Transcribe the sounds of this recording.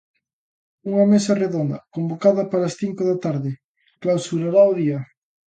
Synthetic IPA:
uŋɐmesɐreðond̪ɐ̰kombokaðɐpaɾɐsθiŋkoðɐt̪aɾðɪ | klawsuɾaɾaoðiɐ

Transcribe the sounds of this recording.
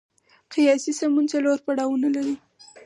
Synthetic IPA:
qijɑsisamunt͡saloɾpaɽɑwunalaɾi

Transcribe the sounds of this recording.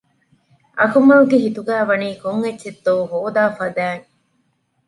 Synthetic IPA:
ʔɐkumɐluɡeɦit̪uɡæːʋɐniːkoŋːet͡ʃːt͡ʃːed̪ːoːuɦoːd̪aːfɐd̪æːŋ

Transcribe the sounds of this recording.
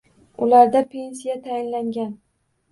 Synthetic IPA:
ʊlaɾd̪apʰe̞nsijat̪ʰajɪnlaŋɡʲan

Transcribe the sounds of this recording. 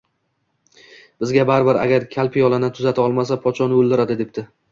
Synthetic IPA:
b̥ɪzɡʲabaɾbɪɾa̰ɡʲaɾkʲʰalpʰijɒlanɪt̪ʰʊzat̪ʰaɒlˠmas̬apʰɒt̪t͡ʃʰɒnɪolˠd̪ɪɾad̪ɪd̪ep̚t̪ɪ

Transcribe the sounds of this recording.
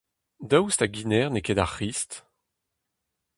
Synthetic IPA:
d̪awst̪aɡinɛːʁnekɛdaʁχist̪

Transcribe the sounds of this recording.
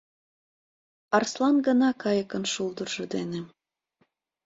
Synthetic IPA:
ɑrslˠɑnɡənɑkɑjəkənʃuld̪ərʒɤ̆d̪ene

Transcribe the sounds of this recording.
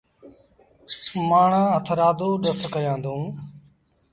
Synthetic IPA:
maːɳãːət̪ʰɾaːd̪oːɗəskəjãːnd̪õː

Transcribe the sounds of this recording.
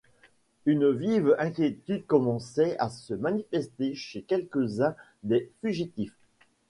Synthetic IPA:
ynvivɛ̃kʲjet̪yd̪̚kɔmɑ̃sɛasəmanifɛst̪eʃekʲɛlkəzɛ̃ | d̪efyʒit̪if

